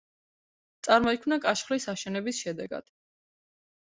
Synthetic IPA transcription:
t̪sʼaɾmɔikʰmnakʼaʃχlisaʃɛnɛbisʃɛd̪ɛɡa̰d̪̥

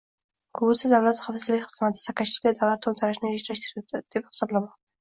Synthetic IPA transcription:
kʰʊbusɪzd̪avlat̪χafsɪzlɪk̚ʲχɨzmat̪ʰɪ̥sakaʃi̥kʲd̪ad̪awlat̪ʰːomt̪ʰaɾaʃnɪeʃɾaʃt̪iɾt̪d̪̥epχɪ̥sɒblˠamɒqd̪ɪ

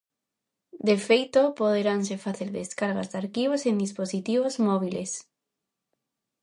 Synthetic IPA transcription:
d̪efejt̪opoð̞eɾaŋs̬efaθeɾðeskaɾɣa̰zd̪aɾkiβosẽnd̪isposit̪iβ̞ozmɔβiles

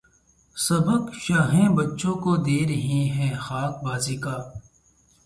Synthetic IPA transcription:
sɐbəkʃaːɦẽːbɐtːʃõːkod̪eːɾəɦĩɦɛ̃ːxaːk̚baːziːkaː

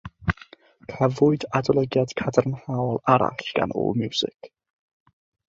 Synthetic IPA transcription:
kʰəvʊɨdadɔlˠəɡjad̥kʰadərnhawlˠaɾa̰ɬɡ̥a̰nṵːlˠmjusɪ̰k

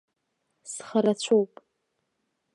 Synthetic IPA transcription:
sχaɾat͡ɕʷʰowpʼ

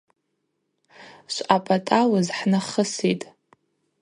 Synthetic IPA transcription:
ʃʷapʼatʼawazħnaχəsitʼ

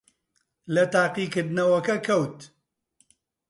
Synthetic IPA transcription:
lɐt̪aːqiːkɨɾd̪nɐwɐkɐkʰɐwt̪

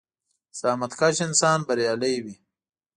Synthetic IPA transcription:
saːmɐt̪kaɕinsaːnbɐɾjaːlɐjwi

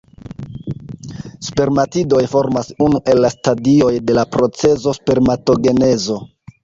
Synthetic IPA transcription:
spe̞ɾmatido̞jfo̞ɾmasunuʔe̞lːastadio̞jde̞lapɾo̞t͡se̞zo̞spe̞ɾmato̞ɡe̞ne̞zo̞

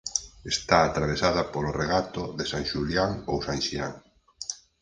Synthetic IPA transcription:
est̪aːt̪ɾaβ̞esaðɐpoloreɣat̪oðesaŋʃuljaŋowsaŋʃiaŋ

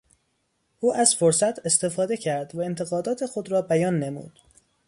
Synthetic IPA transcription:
ʔuːʔæzfoɾsæt̪ʰe̞st̪e̞fɒːd̪e̞cʰæɾd̪væent̪ʰe̞ɣɒːd̪ɒːt̪ʰe̞xo̞d̪ɾɒːbæjɒːnːemṵːd̪̥

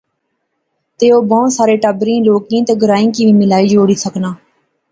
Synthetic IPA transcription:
t̪eːoːbõːsaːɾeːʈəbɾĩːloːkĩːt̪eːɡʱəɾaːĩːkiːʋĩːmɪlaːiːd͡ʒoːɽiːsəknaː

